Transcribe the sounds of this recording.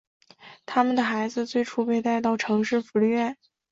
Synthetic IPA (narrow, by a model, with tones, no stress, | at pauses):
t̪ʰa˥mə˨nd̪ə˩xa˧˥ɪd͡zɹ̩˧t͡swe˥˩ɪʈ͡ʂʰu˥pe˥˧ɪt̪a˥˧ɪt̪ɑ˥˩ʊʈ͡ʂʰɤ˧˥ŋʂɻ̩˥˩fu˧˥ly˥˧ɥɛ˥˩n